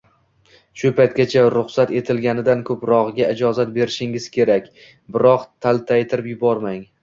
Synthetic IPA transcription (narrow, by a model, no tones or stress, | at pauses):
ʃʊpʰajt̪̚ɡʲat͡ʃʰaɾʊχsat̪e̞t̪ʰɪlɡʲanɪd̪ankʰɵpɾɒʁɡʲaɪd͡ʒɒzat̪̚be̞ɾɪʃɪŋɪz̥kʲʰe̞ɾakʲ | bɪɾɒqt̪ʰalt̪ʰajt̪ʰɪɾɪpjʊbɒɾmaŋ